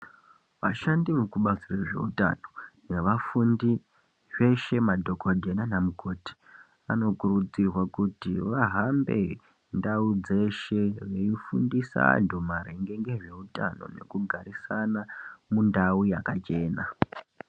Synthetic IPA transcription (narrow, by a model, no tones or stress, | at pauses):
ʋa̰ʃandimukuɓat͡siraʐe̞̰uta̰no̞ne̞ʋafundi | ʐe̞ʃe̞madʱo̞kodʱenanamukʰoːti̥ | a̰no̞kurud͡zirwakutiʋaɦambe̞̰ | ndaud͡ze̞ʃe̞reifundisa̰ndʱumaɾe̞ŋɡe̞ŋɡe̞ʐe̞uta̰no̞̰ne̞̰kuɡʱaɾisanamundaujakat͡ʃe̞ːna